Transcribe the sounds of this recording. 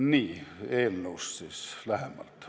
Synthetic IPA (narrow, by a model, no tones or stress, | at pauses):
niːeˑilnousːiːslæhemːæ̰lt̪